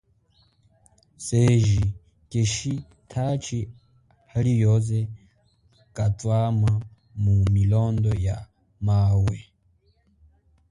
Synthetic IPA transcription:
seʒi | keʃi | tʰat͡ʃʰi | halijɔzɛ | kʼatʼwama | mumilɔndɔja | maːwɛ

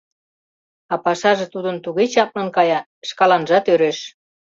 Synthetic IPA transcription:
ɑpɑʃɑʒĕt̪ud̪ənt̪uɣet͡ɕɑp̚lə̆nkɑjɑ | ʃkɑlɑnʒɑt̪øɾeʃ

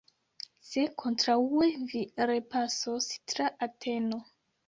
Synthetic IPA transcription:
se̞kʰo̞ntɾaueviɾe̞pasostɾaʔatʰe̞no

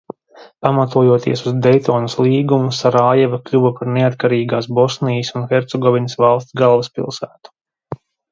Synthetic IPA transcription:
pamat̪uɔjuɔt̪ḭɛsuzd̪ɛjt̪ɔːnɐsliːɡumusaɾaːjɛvɐklʲuvɐpaɾneat̪kaɾiːɡaːs̬bɔsnijəsunxɛɾt̪sɛɡɔvʲinəsvalˠst̪sɡalˠvɐspḭlˠsæːt̪u̥

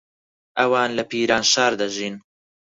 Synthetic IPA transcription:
ʔɐwaːnlɐpiːɾaːnʃaːɾd̪ɐʒiːn

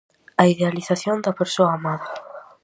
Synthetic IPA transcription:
ɐiðealiθaθjond̪ɐpeɾsoaːmaðɐ

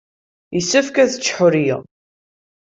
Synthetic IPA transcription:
isəfkæθə̥t͡ʃːħʊɾjiʁ

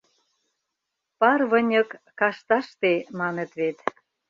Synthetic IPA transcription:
pɑrβə̆nʲə̆kːɑʃt̪ɑʃt̪emɑnet̪βet̪

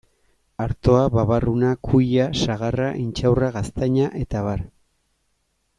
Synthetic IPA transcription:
aɾt̪o̞aβaβarunakʰujasaɣaraʔint͡ʃawraɣast̪aɲaʔe̞t̪aβaɾ

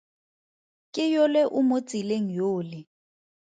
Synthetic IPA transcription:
kʼɪjɔlɛʔʊmot͡sʼileŋ̩joːlɪ

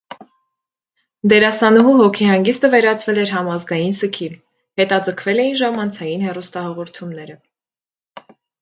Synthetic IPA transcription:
d̪ɛɾɑsɑnɔɦuɦɔkʰihɑŋɡist̪əvɛɾɑt͡sʰvɛlɛɾɦɑmɑzɡɑjinsəkʰi | hɛt̪ɑd͡zəkʰvɛlɛjinʒɑmɑnt͡sʰɑjinhɛrust̪ɑhɑʁɔɾt̪ʰumnɛɾə

